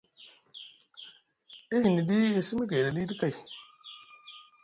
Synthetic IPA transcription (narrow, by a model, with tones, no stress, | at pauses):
i˦hi˨ni˨di˦e˨si˦mi˦ɡe˨da˨li˦di˦ka˦˨j